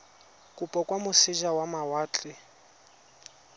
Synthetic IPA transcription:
kʼupʼɔkʼwamʊsɪʒawamawaːt͡ɬʼɪ

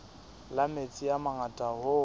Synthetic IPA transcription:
lamet͡sʼiamaŋatʼahʊ

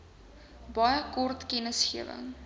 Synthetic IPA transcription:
bɐjəkɔrtkɛnəsχiəvə̰ŋ

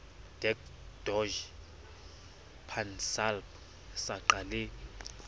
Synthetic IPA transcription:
d̥ɛkd̥ɔʒ | pʰansalp | saǃale

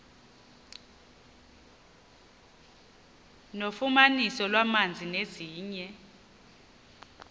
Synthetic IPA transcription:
nofumanisɔlwamand͡zʱineziːɲɛ

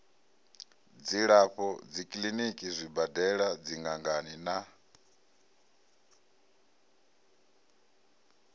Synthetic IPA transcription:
d͡ziɺaɸɔd͡zikʼlinikʼizʷibadɛɺad͡ziŋɡaŋɡanina

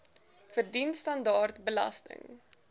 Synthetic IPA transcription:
fərdinstɐndɑːrtbəlɐ̰stə̰ŋ

